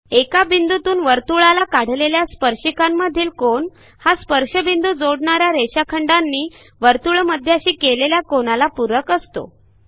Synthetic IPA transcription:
ekabind̪ut̪uːnʋəɾt̪uɭalakaɽ̤leljaspəɾʂikamːəd̪ʱiːlkoɳ | haspəɾʂəbind̪uːd͡zoɽɳaɾjaɾeɕakʰəɳɖanːiː | ʋəɾt̪uɭməd̪ʱːjaɕiːkeleljakonalapuɾəkəst̪o̰

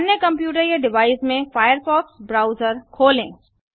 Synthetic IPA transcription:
njəkɐ̃mpjuːʈəɾjeɖɪʋaːɪsmẽfaːjəɾfɔːksbɾaːʊzəɾkʰoːlḛ̃ː

